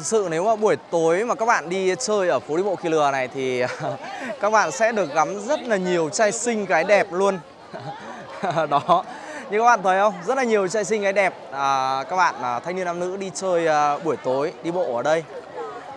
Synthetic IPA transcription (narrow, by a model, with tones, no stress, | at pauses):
k̚sɨ̰˧˨ne˨˦wmaː˨˩ɓu˧˩əjt̪o˨˦jmaː˨˩kaː˦˥k̚ɓa̰ː˧˨nɗi˧t͡ɕəː˧jʔəː˧˩fo˨˦ɗi˧ɓo̰˧˨ki˧lɨ˨˩əna˨˩jt̪ʰi˨˩˨kaː˦˥k̚ɓa̰ː˧˨nsɛ̰˧˥ɗɨ˨˩ək̚ɣa˨˦mzə˦˥t̚laː˨˩ɲi˨˩əwt͡ɕaː˧jsï˧ŋ̟kaː˨˦jɗɛ˨˩p̚lu˧ən | ɗɔ˨˦ | ɲɨ˧kaː˦˥k̚ɓaː˧˨˩t̪ə˨˦jʔə˧wŋ͡mzə˦˥t̚la˨˩ɲi˨˩əwt͡ɕaː˧js̬i˧ŋ̟kaː˨˦jɗɛ˨˩p̚ʔəː˨˩kaː˦˥k̚ɓa̰ː˧˨nʔːt̪ʰjŋni˧əna˧mnɨ̰˧˥ɗi˧t͡ɕəː˧jɓu˧˩əjt̪o˨˦jɗi˧ɓo̰˧˨ʔəː˧˩ɗə˧j